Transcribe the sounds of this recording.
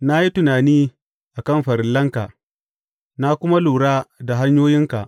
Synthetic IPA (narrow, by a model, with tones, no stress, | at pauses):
na˦ji˦tʊ˨naː˨niː˦ | ʔa˨kɐ˦˨mɸɐ˨ɾɪ˦˨lːɐ˦ŋka˨ʔ | na˦kʷʊ˦ma˦luː˨ɽaː˦da˨ɦa˦ɲjoː˦jɪ˦ŋka̰˨ʔ